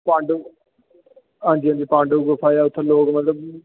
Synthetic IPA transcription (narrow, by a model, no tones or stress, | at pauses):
pãːɳɖ | ɦãːnd͡ʒiːɦãːd͡ʒiːpãːɳɖɡəpʰaːjaːʊt̪ʰːõːloːkmət̪ləb